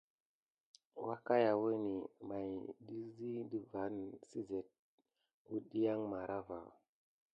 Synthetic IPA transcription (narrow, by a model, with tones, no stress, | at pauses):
wa˦ka˦ja˨wə˦ni˨ma˨jdi˦zi˦di˨va˨˦nsi˦ze˨t̚ | wu˦ɗi˦ja˦ŋma˨ɾʔa˦va̰˨